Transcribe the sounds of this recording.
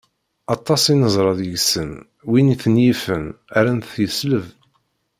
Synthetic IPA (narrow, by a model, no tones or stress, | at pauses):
ɑt̪ˤːɑsˤinəzˤɾˤɑðjəʝsən | winiθənjifənæɾænθθjəsləv